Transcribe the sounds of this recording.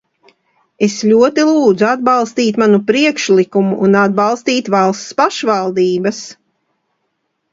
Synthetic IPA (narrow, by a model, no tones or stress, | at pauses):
esʎʲuɔt̪ilˠuːd̪zuad̪̚baɑlˠst̪iːt̪manupɾiɛkʃlikumuʔːnad̪̚balˠst̪iːt̪valˠst̪spaʃvalˠd̪iːbas